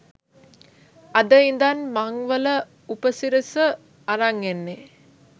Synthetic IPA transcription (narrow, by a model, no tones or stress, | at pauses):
ad̪əind̪anmaŋʋələ | upəsiɾəsə | aɾaŋenːe